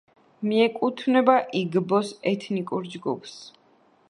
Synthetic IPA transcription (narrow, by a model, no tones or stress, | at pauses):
miɛkʼut̪ʰvnɛbaʔiɡbɔsɛt̪ʰnikʼuɾd͡ʒɡṵpʰs